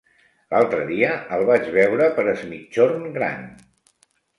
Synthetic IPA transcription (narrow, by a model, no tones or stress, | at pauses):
lalˠt̪ɾəðiəəlˠβad͡ʒβɛwɾəpəɾəzmit͡ʃːornɡɾa̰n